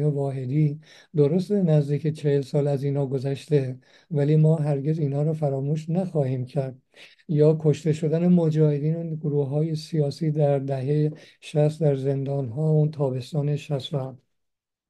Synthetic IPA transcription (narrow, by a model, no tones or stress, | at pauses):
jevɒːɦe̞d̪iː | d̪oɾost̪enæzd̪iːket͡ʃʰehelsɒːlæziːnhɒːɡo̞zæʃt̪e | væliːmɒːɦæɾɟe̞ziːnhɒːɾɒːfæɾɒːmuːʃnæxɒːhiːmcʰæɾd̪̚ | jɒːkʰoʃt̪e̞ʃo̞d̪æne̞mod͡ʒɒːhe̞d̪iːnoɡoɾuːɦɒːje̞sijɒːsiːd̪æɾd̪æɦeje | ʃæst̪d̪æɾze̞nd̪ɒːnɦɒːut̪ʰɒːbe̞st̪ɒːneʃæst̪ænd̪̥